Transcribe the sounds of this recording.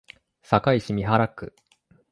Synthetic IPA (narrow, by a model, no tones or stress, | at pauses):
sakaiɕimʲiɦaɾakːɯ̟